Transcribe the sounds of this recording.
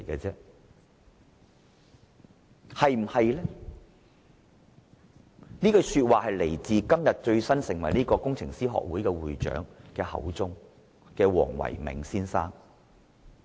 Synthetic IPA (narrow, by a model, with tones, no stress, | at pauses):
jkɛː˧t͡sɛː˥ | hɐ˨jm̩˨˩hɐ˨jlɛː˥ | niː˥kɔ˧syː˧t̚waː˨˩hɐ˨jle˨˩jt͡siː˨˧kɐ˥mjɐ˨t̚t͡ʃɵ˧ɥsɐ˥nsɪ˨˩ŋwɐ˨˩jniː˥kɔː˧kʊ˥ŋt͡sʰɪ˨˩ŋsiː˥ɦɔ̰ː˨k̚wuː˨˥jkɛː˧wuː˨˩jt͡ʃœ̰ː˨˥ŋkɛː˧hɐ̰˨˥wt͡sʊ˥ŋ | kɛː˧wɔ̰ː˨˩ŋwɐ̰˨˩jmɪ̰˨˩ŋsiː˥nsaː˥ŋ